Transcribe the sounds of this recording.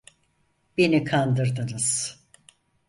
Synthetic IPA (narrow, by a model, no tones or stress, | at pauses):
b̥enikʰand̪ɯɾd̪ɯnɯz̥